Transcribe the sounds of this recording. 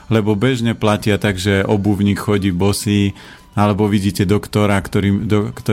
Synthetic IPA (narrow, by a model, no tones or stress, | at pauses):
lɛbɔbɛʒɲɛplacɪat̪aɡʒɛʔɔbuʊɲiːkxɔɟiːbɔsiː | alɛbɔʋiɟiːcɛd̪ɔkt̪ɔɾakt̪ɔɾid̪ɔkt̪ɔ